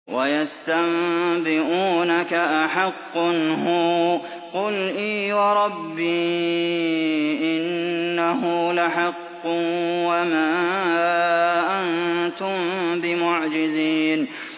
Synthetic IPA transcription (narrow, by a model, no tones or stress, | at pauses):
wajast̪ambɪʔuːnakaʔaħɑqːnɦuː | qʊlʔiːwɑɾˤɑbːiː | ʔɪnːaɦʊlaħɑqːʊwamaː | ʔannt̪ʊmbɪmʊʕd͡ʒɪziːn